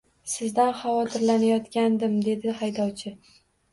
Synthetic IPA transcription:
sɪzd̪anχɑvɒt̪ʰɪɾlanajɒt̪kʲand̪ɪmd̪e̞d̪ɪhajd̪ɒwt͡ʃʰɪ

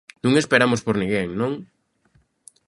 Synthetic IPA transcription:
nũŋespeɾamospoɾnĩŋɡeŋnõŋ

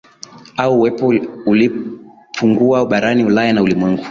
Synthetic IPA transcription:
auːwɛpɔuli | pʰuŋɡuaɓaɾaniulajanaulimwɛŋɡu

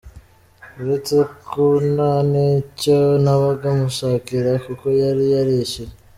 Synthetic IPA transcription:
uɾet͡se̞konaniconaβaɡamuʃaːkiɾakuko̞jaɾijaɾiʃe

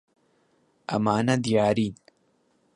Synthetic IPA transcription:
ɐ̰maːnad̪ijaːɾiːn

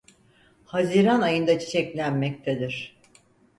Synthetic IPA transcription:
haziɾanajɯnd̪at͡ʃʰi̥t͡ʃʰɛclʲænmɛc̚t̪ʰed̪iɾ̥

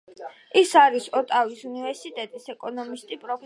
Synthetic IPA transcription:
isaɾisɔt̪ʼavisunivɛɾsit̪ʼɛt̪ʼisɛkʼɔnɔmist̪ʼipʼɾɔpʰ

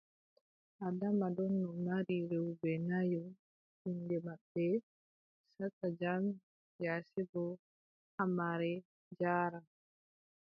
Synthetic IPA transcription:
ʔadamadɔnːɔnaɾiɾɛwbɛnajɔ | hindɛmaɓːɛ | satad͡ʒam | jasɛbɔ | hamaɾɛ | d͡ʒaːɾa

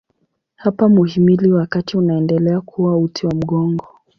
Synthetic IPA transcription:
hapamuhimiliwakatiunaɛndɛlɛakʰuwautiwam̩ɠɔŋɡɔ

